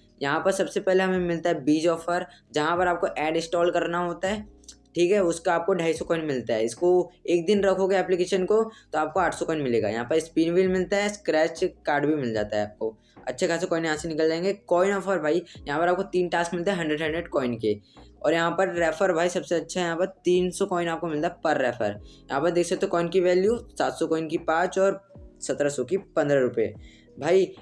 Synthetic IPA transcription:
jɐɦãpɐɾsɐbsepɛɦleɦɐmẽmɪlt̪aɦɛbiːd͡ʒɔːfəɾd͡ʒɐɦãpɐɾaːp̚koʔɛːɖɪsʈɔːlkɐɾnaɦoːt̪aɦɛː | ʈʰiːkɦɛʊskaaːp̚koɖʱaːisɔkɔːɪnmɪlt̪aɦɛɪskoeːk̚d̪ɪnɾɐkʰoɡeɛːplɪkeːʃənkot̪oaːp̚koaːʈʰsɔkɔːɪnmɪleːɡa̰jɐ̰ɦãpəɾspiːɖʋiːlmɪlt̪aɦɛskɾɛːt͡ʃkaːɾɖbʱimɪld͡ʒa̰ːt̪aɦɛaːp̚ko | ɐ̰tːʃʰekʰaːsekɔːɪnɦãːsinɪkəld͡ʒaẽːŋɡekɔːɪnɔːfəɾbʱaːijɐɦãpɐɾaːp̚kot̪iːnʈaːskmɪlt̪aɦɛɦɐ̃ɳɖɾəɖɦɛ̃ɳɖɾeʈkɔːɪnkeɔːɾjɐɦãpəɾːɛːfʰəɾbʱaːisɐbseɐtːʃʰaɦɛjɐɦãpɐɾt̪iːnsɔkɔːɪnaːp̚komɪlt̪aɦɛpɐɾːɛːfʰə̰ɾjɐɦãpɐɾd̪eːksɐk̚t̪ːekɔːɪnkiʋɛːljusaːt̪sɔkɔːɪnkipãːt͡ʃɔːɾsɐt̪ɾasɔkipɐ̃nd̪ɾəɾʊpḛ | bʱaːi

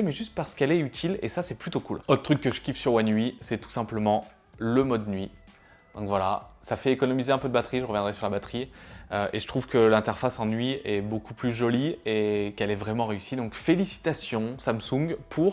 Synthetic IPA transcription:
mɛʒyst̪̚paʁsə̥kɛlɛyt̪ʰilḛsasɛplyt̪okulot̪χət̪χykːəʒəkʲifsyʁwɛ̃nɥisɛt̪u̥sɛ̃pləmɑ̃ | ləmɔd̪nɥi | d̪̥ɔ̃kvwala̰safɛekɔnɔmizeɛ̃pød̪əbat̪χiʒəʁəvjɛ̃d̪ʁɛsyʁlabat̪χiøʔeʒət̪χuv̥kəlɛ̃t̪ɛʁfasɑ̃nɥiɛbokuplyʒɔliekɛlɛvʁɛmɑ̃ʁeysid̪ɔ̃kfelisi̥t̪asjɔ̃samsũɡpʰuʁ

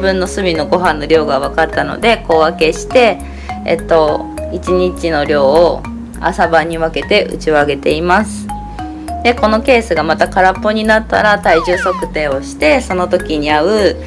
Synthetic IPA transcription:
bɯ̟̃nːo̞sɨmʲino̞ɡo̞ɦãnːo̞ɾʲo̞ːɡaβ̞akatt̪ːano̞̰d̪e̞ko̞ːake̞ɕi̥t̪e̞ | ḛt̪ːo̞it͡ɕiɲ̟it͡ɕino̞ɾʲo̞ː | a̰sabaɲ̟iβake̞t̪e̞ʔɯ̰t͡ɕio̞aɡe̞t̪e̞imasɨ̥ | d̪e̞ko̞no̞ke̞ːsɨɡamat̪akaɾapːo̞ɲ̟inat̪ːa̰ɾat̪aiʑɨːso̞kɯ̟̥t̪e̞ːo̞ɕi̥t̪e̞so̞no̞t̪o̞kʲiɲ̟iaɯ̟

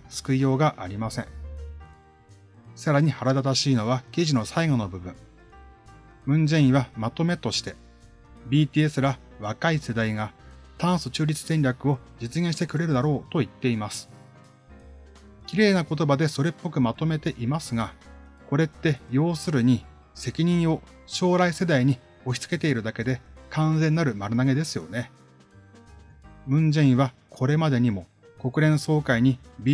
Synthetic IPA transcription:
sɨ̥kɯ̟ijo̞ːɡaʔaɾʲimasẽ̞̰ŋ | saɾaɲ̟ihaɾad̪at̪aɕiːno̞βakʲiʑino̞saiŋo̞no̞bɯ̟bɯ̟̃ɴ | ɯ̟̃nzẽɰ̃iβamat̪o̞me̞t̪o̞ɕi̥t̪e̞ | bʲiːt̪ʲiːe̞sɨɾa | βakaise̞d̪aiɡat̪ãɰ̃sɨt͡ɕɨːɾʲit͡sɨ̥sẽ̞nʲɾʲjakɯ̟o̞d͡ʑɨt͡sɨɡẽ̞ɕi̥t̪e̞kɯ̟ɾe̞ɾɯ̟d̪aɾo̞ːt̪o̞it̪ːe̞imasɨ̥ | kʲiɾe̞ːnako̞t̪o̞bad̪e̞so̞ɾe̞pːo̞kɯ̟mat̪o̞me̞t̪e̞ʔimasɨɡa | ko̞ɾe̞t̪ːe̞jo̞ːsɨɾɯ̟ɲ̟i | se̞kʲiɲ̟ĩɰ̃o̞ | ɕo̞ːɾaise̞d̪aiɲ̟i | o̞çʲi̥t͡sɨ̥ke̞t̪e̞iɾɯ̟d̪ake̞d̪e̞kʰãnzẽ̞nːaɾɯ̟maɾɯ̟naɡe̞d̪e̞sɨjo̞̰ne̞ | mɯ̟̃ɲd͡ʑĩɰ̃βa | kʰo̞ɾe̞mad̪e̞ɲ̟imo̞ | ko̞kɯ̟ɾẽ̞ɰ̃so̞ːkaiɲ̟ibʲi

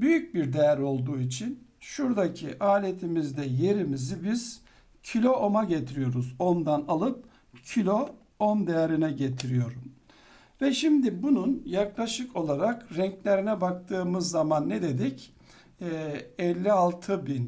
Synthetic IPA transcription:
byjyc̚biɾd̪ejæɾo̞lˠd̪uːit͡ʃʰinʃuɾd̪acʰiʔaːlʲe̞t̪ʰimizd̪ɛje̞ɾimizibiz̥ | cʰilʲo̞ʔomaɟe̞t̪ʰiɾijo̞ɾuzo̞md̪analˠɯp̚ | cʰilʲo̞ | omd̪ejeɾinɛɟet̪ʰiɾijo̞ɾum | vɛʃimd̪ibununjaklˠaʃɯko̞lˠaɾakɾɛɲclʲe̞ɾinɛbak̚t̪ʰɯːmɯzːamanːɛd̪e̞d̪icː | ɛlʲːialˠt̪ʰɯbin

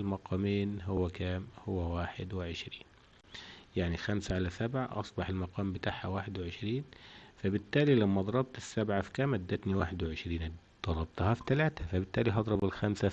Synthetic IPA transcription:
lmɑqʰɑːmiːnɦʊwːækæːmhʊwːæwaːħɪd̪wɪʕɪʃɾiːn | jaʕnixamsaʕalæsabʕaʔɑ̰sˤbɑħɪlmɑqɑːmbɪt̪aːʕhæ̰waːħɪd̪wɪʕɪʃɾiːnfæbɪt̪ːæːlilæmːæd̪ˤɑɾˤɑb̚t̪ɪsːabʕafi̥kæːmʔæd̪ːæt̪niwaːħɪd̪wɪʕɪʃɾiːn | d̪̥ˤɑɾˤɑb̚t̪hɑfi̥t̪ælæːt̪æfæbɪt̪ːæːliɦɑd̪ˤɾˤɑbɪlxæmsæ

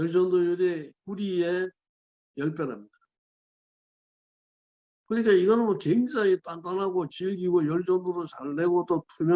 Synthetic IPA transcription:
jʌɭt͡ɕ͈ʌndojuɾekuɾie | jʌɭp̬jʌnɦamɲida | kɯɲik͈aiɡʌnɯnwʌkweŋd͡ʑaŋit͈andanɦaɡot͡ɕilɡiɡojʌɭt͡ɕ͈ʌnd̪oɾot͡ɕaɭːe̞ɡot͈otʰumjʌ

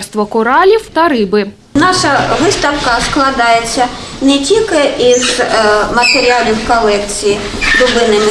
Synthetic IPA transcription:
rst̪ʋɔkʊɾɑlʲiwt̪ɐɾɪbɪ | nɑʂɐʋɪst̪ɐwkɐsklˠad̪ɑjet͡sʲːɐnɛtʲilʲkɪizmɐt̪eɾʲialʲɪwkɐlˠɛkt͡sʲiji | d̪ʊbɪnɐmʲi

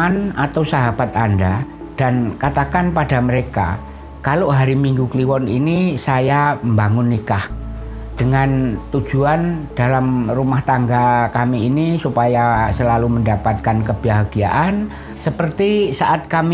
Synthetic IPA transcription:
anat̪awsaɦab̥at̪anda | d̥ankat̪akanpadaməɾeka̰ | kaloʔɦaɾimiŋɡukliwɔnḭnisajambaŋʊnːikah | d̥əŋant̪u̥d͡ʒ̥uand̥alamrumaht̪aŋɡakamiːnisupajasəlaluməndapat̪̚kankəb̥aɦaɡ̥ia̰ʔan | səpərt̪isaʔat̪̚kami

